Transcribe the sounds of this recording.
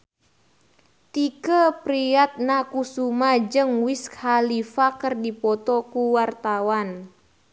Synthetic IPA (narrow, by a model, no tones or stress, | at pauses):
t̪ikəpɾiat̪̚nakusumad͡ʒəŋwiskhalifakərdipɔt̪ɔkuwart̪awan